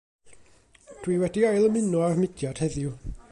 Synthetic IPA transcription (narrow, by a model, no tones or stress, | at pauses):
d̥wiːwɛdiɔɨlˠəmɪnuarmɪd̥jɔd̥hɛðju